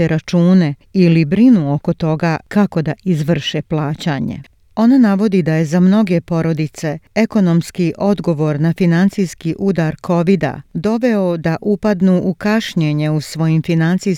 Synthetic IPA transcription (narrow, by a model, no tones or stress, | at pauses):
eɾʔat͡ʃuːne̞ | ilibɾinuoko̞t̪o̞ɡaːkako̞d̪aʔizʋr̩ʃeplˠaːt͡ɕaɲḛ | o̞nanaʋo̞d̪id̪aje̞zamno̞ɡe̞po̞ɾo̞d̪it̪se̞eko̞no̞mskiʔo̞d̪ɡo̞ʋo̞ɾnafinant̪sijskiʔud̪aɾkʰo̞ʋid̪a̰d̪o̞ʋeod̪aʔupad̪nuʔukaʃɲeɲe̞usʋo̞jimfinant̪si